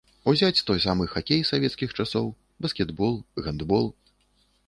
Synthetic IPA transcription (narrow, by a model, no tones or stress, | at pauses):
uzʲat͡sʲt̪ɔjsamɨxakʲejsavʲɛt̪skʲixt͡ʂasɔw | bɐskʲɛd̪bɔlˠɣɐnd̪bɔlˠ